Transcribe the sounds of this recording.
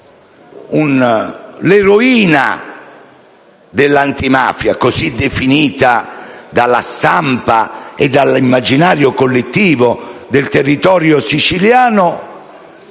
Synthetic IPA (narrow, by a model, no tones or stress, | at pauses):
un | leɾoiːna̰ | d̪elːant̪ima̰ːfjakosid̪efiniːt̪ad̪alːa̰st̪ampaed̪ːalimːad͡ʒinaːɾjokolːet̪ːiːvʊd̪elt̪erːit̪ɔːɾjosit͡ʃiljaːnʊ